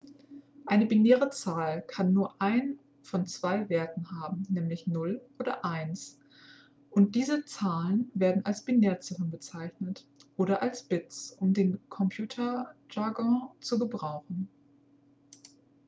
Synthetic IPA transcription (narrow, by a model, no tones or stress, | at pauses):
ʔaɪnəbineːʁət͡saːlkʰanːuːɐʔaɪn | fɔnt͡sv̥aɪveːɐtn̩ɦaːbm̩nɛːmlɪçnʊlʔoːdɐ̰ʔaɪns | ʔʊnt̚d̥iːzət͡saːlənveːɐdn̩alsb̥ineːɐt͡sɪʁən̩bət͡saɪçnət | ʔoːɾɐʔalsb̥ɪt͡sʔʊmdeːnkʰɔmpʰj̥uːtʰɐʒaɡɔ̃t͡suɡəbʁaʊxn̩